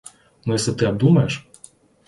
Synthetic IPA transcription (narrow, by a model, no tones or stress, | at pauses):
nʊjɛsʲɛt̪ɪɐb̚d̪umɐjɛʃ